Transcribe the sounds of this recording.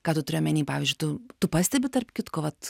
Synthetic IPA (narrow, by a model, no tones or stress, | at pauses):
kɑːt̪ʊt̪ʊɾʲeːjomʲɛnʲiːpɑːʋʲizʲd͡ʒʊɪt̪ʊt̪ʊpɑːsʲt̪ʲɛbʲɪt̪ɐrpʲkʲɪt̪koːʋɐt̪